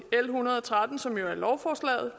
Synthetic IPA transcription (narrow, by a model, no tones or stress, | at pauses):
elɦunɐð̞̩ˠɒ̽t͡sʰʁad̥n̩sɒ̽mjo̝æɐlɒʊfɒːslɛ̰ːð̞̩ˠ